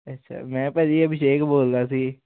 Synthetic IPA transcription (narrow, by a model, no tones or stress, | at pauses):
ətːʃʰa̰ːmɛ̃ːpɛːliəbɪʃeːkboːld̪aːsiː